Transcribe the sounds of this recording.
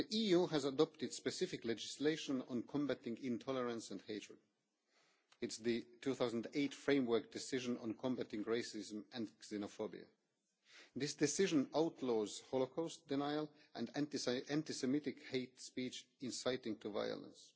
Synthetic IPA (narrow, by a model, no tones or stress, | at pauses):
ðiʔijuæzədɔp̚tɨdspɛsɪfɪklɛd͡ʒɪsleɪʃə̃nə̰̃nkʰɔ̃mbætɪ̃ŋɪ̃ntʰɔlˠəɹə̃nsɨ̃ndheɪtʰɹ̥ɨd̥̚ | ɨtsðɨtʰuθaʊzə̃n̩deɪtfɹẽɪ̃mwɜ˞k̚d̥ɨsɪʒə̃nə̰̃nkʰɔ̃mbætɪ̃ŋɹeɪsɪzmæ̃nksɛnofobḭɨ̰ | ðɪsd̥ɨsɪʒə̃naʊtʰlɔːz̥hɔlokʰoʊst̚d̥ɨnaɪlˠʔɨ̰̃ndæ̃tæ̃ntɨsɛmɪtɪkheɪtspit͡ʃɪ̃nsaɪtɪ̃ŋtʰuva̰ɪə̰lˠə̰̃ns